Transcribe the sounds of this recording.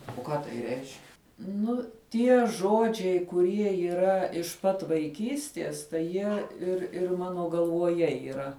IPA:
oː ˈkɑː tɐɪ rʲɛɪʃʲkʲ ˈnʊ ˈtʲiɛ ˈʒoːd͡ʒʲɛɪ kʊˈrʲiɛ iːˈrɐ ɪʃ pɐt ʋɐɪˈkʲiːsʲtʲiɛs ˈtɐɪ ˈjiɛ ɪr ˈɪr ˈmɑːnoː ɡɐlˠʋoːˈjɛ iːˈrɐ

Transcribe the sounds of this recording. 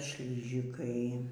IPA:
ˈʃʲlʲɪʒʲɪkɐɪ

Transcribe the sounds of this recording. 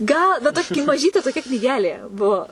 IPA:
ˈɡɐlˠ bʲɛt ˈtoːkʲɪ mɐˈʒʲiːtʲeː toːˈkʲɛ knʲiːˈɡʲæːlʲeː ˈbuɔ

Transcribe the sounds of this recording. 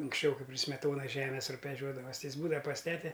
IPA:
ʊŋksʲˈt͡ʃʲɛʊ ˈkɐɪp pʲrʲɪ sʲmʲɛˈtoːnɐs ˈʒʲæːmʲɛs rʊbʲɛˈʒʲuɔdɐʋɐs ˈtʲɪ ˈjɪs ˈbuːdɐ pɐs ˈtʲæːtʲɛ

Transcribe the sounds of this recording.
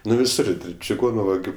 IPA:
ˈnʊ ʋʲɪˈsʊr t͡ʃʲɪˈɡoːnʊ ʋɐˈɡʲʊ

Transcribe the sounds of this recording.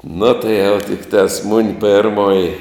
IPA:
nʊ tɐɪ jɛʊ tʲɪkˈtɑːs mʊnʲ ˈpʲeːrmoːjɪ

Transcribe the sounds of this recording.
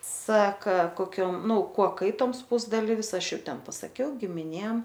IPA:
ˈsɑːkɐ koːˈkʲoːm ˈnʊ ˈkuɔ ˈkɐɪtoːms ˈpʊzdɐlʲiːʋʲɪs ˈɐʃ ˈjɛʊ ˈtʲɛn pɐsɐˈkʲɛʊ ɡʲɪmʲɪˈnʲeːm

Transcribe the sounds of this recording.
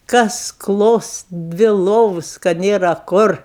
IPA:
ˈkɐs ˈklˠoːs ˈdʲʋʲɪ ˈlˠoːʋʊs kɐ ˈnʲeːrɐ ˈkʊr

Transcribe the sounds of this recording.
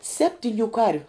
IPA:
ˈsʲæːpʲtʲɪnʲʊ ˈkɐrʲʋʲʊ

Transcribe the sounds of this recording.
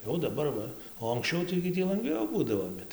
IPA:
ˈjɛʊ dɐˈbɐr ˈʋɐ oː ɐŋksʲˈt͡ʃʲɛʊ tɐɪ ɡʲɪ ˈtʲiː lˠɐŋˈɡʋʲɛʊ ˈbuːdɐʋoː ˈbʲɛt

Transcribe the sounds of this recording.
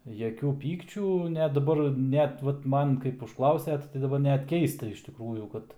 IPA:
jɛˈkʲuː ˈpʲiːkt͡ʃʲuː nʲɛt dɐˈbɐr ˈnʲɛt ˈʋɐt ˈmɐn kɐɪp ʊʃˈklˠɐʊsʲɛt tɐɪ dɐˈbɐr ˈnʲɛt ˈkʲɛɪstɐ ɪʃ tʲɪkˈruːjuː ˈkɐt

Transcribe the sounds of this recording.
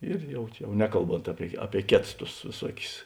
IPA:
ɪr ˈjɛʊ t͡ʃʲɛ jɛʊ ˈnʲæːkɐlˠˌboːnt ˈɑːpʲiɛ ˈɑːpʲiɛ ˈkʲeːts tʊs ʋʲeːˈsuɔkʲʊs

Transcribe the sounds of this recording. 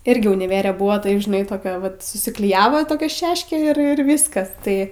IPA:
ˈɪrʲɡʲɪ ʊnʲɪˈʋʲæːrʲɛ ˈbʊɐ ˈtɐɪp ʒʲɪˈnɐɪ toːˈkʲɛ ʋɐt sʊsʲɪklʲɪˈjæːʋoː toːˈkʲɛ ˈʃʲæːʃʲkʲeː ɪr ˈʋʲɪskɐs ˈtɐɪ

